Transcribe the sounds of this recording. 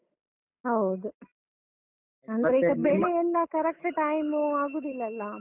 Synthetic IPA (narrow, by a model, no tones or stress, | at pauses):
hɐwd̪u | ɐnd̪ɐɾeiːɡɐbeɭejɛlːɐkɐɾɐk̚ʈʈajmuaːɡuːd̪ilːɐlːɐ